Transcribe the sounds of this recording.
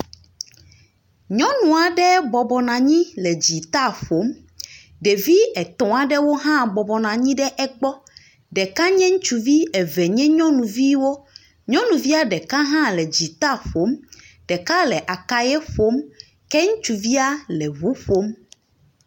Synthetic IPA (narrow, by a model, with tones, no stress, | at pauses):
ɲɔ̃˦nũ˨a˨ɖɛ˦bɔ˨bɔ˨nã˨ɲĩ˦lɛ˨d͡ʑi˨t̪a˦ɸo˨˦m | ɖe˨vi˦ɛ˨t̪ɔ̃˨a˨ɖɛ˦wo˦ɦã˦bɔ˨bɔ˨nã˨ɲĩ˦ɖɛ˦ʔɛ˦ɡ͡bɔ˦ | ɖɛ˨kã˦ɲɛ̃˦ŋũ˦t͡ʃu˨vi˦ɛ˨vɛ˨ɲɛ̃˦ɲɔ̃˦nũ˨vi˦wo˦ | ɲɔ̃˦nũ˨vi˦a˦ɖɛ˨kã˦ɦã˦lɛ˨d͡ʑi˨t̪a˦˨ɸo˨˦m | ɖ̥ɛ˨ka˦lɛ˨ʔa˨ka˦jɛ˦ɸo˨˦m | kɛ˦ŋũ˦t͡ʃu˨vi˦a˦lɛ˨βu˦ɸo˦m